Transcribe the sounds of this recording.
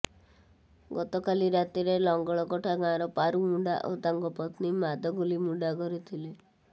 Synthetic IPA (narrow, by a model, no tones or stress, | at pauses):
ɡɔt̪ɔkaliɾat̪iɾelɔŋɡɔɭɔkɔʈʰaɡãɾɔpaɾumuɳɖaʔo̰t̪aŋɡɔpɔt̪nimad̪ʱɔɡulimuɖaɡɔɾit̪ʰile